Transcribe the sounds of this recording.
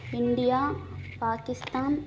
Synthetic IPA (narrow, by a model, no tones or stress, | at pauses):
ɪɳɖijaːpaːkɪst̪aːn